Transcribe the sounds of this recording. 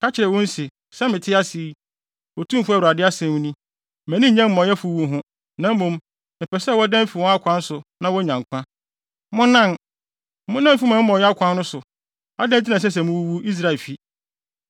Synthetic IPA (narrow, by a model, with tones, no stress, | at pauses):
kʰa˦t͡ɕʰɪ˨ɾɛ˨wɔ̃˦n̩˦si˨ | sɛ˦mɪ̃˨tʰɪ˦a˦si˨˦ | wɔ˨tʰũ˦m˨fʊ˦a˨u˨a˨dɪ˦a˦sɛ̃˨m̃˦nĩ˦ | mæ̃˨nĩ˦˨ɲɛ̃˦m̩˨mɔ̃˨jɛ˦fu˨wu˨˦ɦʊ̃˦ | nã˨˦m̩˦mõ˨m | mɪ̃˨pʰɛ˨sɛ˦˨wɔ˦dɛ̃˦m˦fi˨wɔ̃˦a˦kʷʰã˦n˦sʊ˨nã˦wɔ˦ɲã˨ŋ˨kʷʰã˦ | mʊ̃˦nã˦˨n˦ | mʊ̃˦nã˦m˦fi˦mã˨˦mɔ̃˨ɛ˦a˦kʷʰã˦nːʊ̃˦sʊ˨ | a˦dɛ̃˦n˦t̬ʰi˦nã˨sɛ˦s̬ɛ˨mʊ̃˦wu˦wu˦i˦s̬ɾa˦˨lfi˦